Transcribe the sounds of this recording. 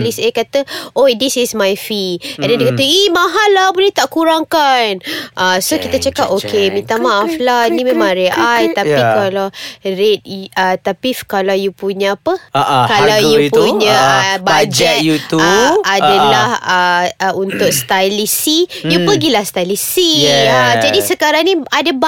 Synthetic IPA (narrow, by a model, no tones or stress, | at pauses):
lisekat̪əʔodisismajfiɛ̃ndɛndikat̪əimãɦalːabulɛht̪aʔkuɾaŋkanʔasokit̪at͡ʃakap̚okemĩt̪amaaflanĩmẽmãŋɾeʔajt̪apikalawɾet̚ət̪apifkalawjupuɲə̃apəkalawjupuɲaabad͡ʒɛt̪jut̪uadalahəəunt̪ʊk̚st̪ajlisijupəɡilahst̪ajlisiad͡ʒadisəkaɾaŋnĩadab